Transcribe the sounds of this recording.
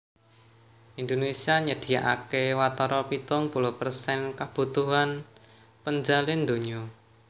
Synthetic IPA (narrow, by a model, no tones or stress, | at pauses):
ʔind̪onesiaɲəd̪̥i̤aʔa̰kewat̪ɔɾɔpit̪ʊŋpulʊhpərsɛnkab̥ṳt̪uɦan | pəɲd͡ʒalɪnd̪o̤ɲɔ